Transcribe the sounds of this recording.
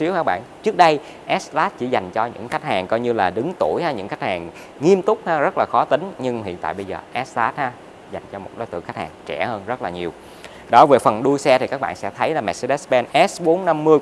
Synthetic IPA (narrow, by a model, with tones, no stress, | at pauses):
i˨˦wkaː˦˥k̚ɓa̰ː˧˨nt͡ɕɨ˦˥ək̚ɗə˧j | ʔɛ˦˥st̪aː˦˥t̚t͡ɕḭ˧˩za˨˩jŋ̟t͡ɕɔ˧ɲɨ̰˧˥ŋxa˦˥jk̟̚haː˨˩ŋkɔ˧jɲɨ˧laː˨˩ɗɨ˨˦ŋt̪o˧˩jhaː˨˦ɲɨ̰˧˥ŋxa˦˥k̟̚haː˨˩ŋ | ŋi˧əmt̪ʊ˦˥k͡p̚haː˨˧zə˦˥t̚laː˨˩xɔ˨˦t̪ï˨˦ŋ̟ɲɨ˧ŋhḭ˧˨ənt̪a̰ː˧˨jɓə˧jzəː˨˩ʔɛ˦˥st̪aː˦˥t̚haː˨˧˦ | za˨˩jŋ̟t͡ɕɔ˧mo˨˩t̚ɗo˨˦jt̪ɨ̰˧˨ŋxa˦˥jk̚haː˨˩ŋt͡ɕɛ˧˩həː˧nzə˦˥t̚laː˨˩ɲi˨˩əw | ɗɔ˨˦ve˨˩fə˨˩nɗu˧əjsɛ˧t̪ʰi˨˩kaː˦˥k̚ɓa̰ː˧˨nsɛ̰˧˥t̪ʰə˨˦jlaː˨˩mɛ˨˩t̚se˧ɗɛ˦˥sɓɛ˧nʔɛ˦˥sɓo˨˦nna˧mːɨ˧əj